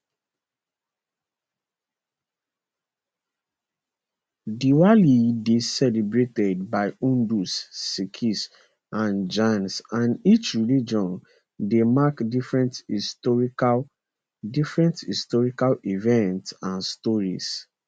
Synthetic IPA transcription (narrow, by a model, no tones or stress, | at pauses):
diwalidesɛlibɹetɛd̚baɪũndusːikʰis | ʔãnd͡ʒãnsãnit͡ʃɹilid͡ʒɔ̃n | demakdifɹɛ̃ntistɔɹi | difɹɛ̃nthistɔɹikalivɛ̃ntsãnstɔɹis